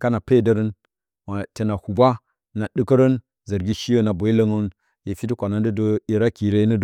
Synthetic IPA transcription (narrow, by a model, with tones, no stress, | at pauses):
ka˦na˨pe˦˨də˦ɾə˦n | ma˨te˨na˨hu˨ba˦ | na˨dɨ˦kə˦ɾə˦n | zə˨ɾɡʲi˦ʃi˦jo˦na˨bo˨i˦lə˦ŋu˦n | je˨fi˦ti˦kʷa˨na˦n˦də˦do˦i˨ɾa˦ki˨ɾe˦nə˦d